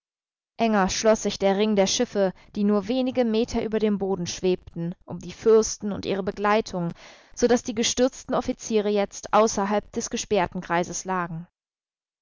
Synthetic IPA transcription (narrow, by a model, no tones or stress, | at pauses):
ʔɛŋɐʃlɔsz̥ɪçd̥eːɐʁɪŋdeːɐʃɪfə | d̥iːnuːɐveːnɪɡəmeːtʰɐʔyːbɐdeːmboːdn̩ʃv̥eːp̚tn̩ʔʊmdiːfʏɐstn̩ʊ̰ntʔiːʁ̞əbəɡlaɪtʰʊŋz̥odasd̥iːɡəʃtʏɐt͡stn̩ɔfit͡siːʁ̞əjɛt͡stʔaʊsɐɦalp̚d̥ɛsɡ̥əʃpɛːɐtn̩kʁ̥aɪzəslaːɡŋ̩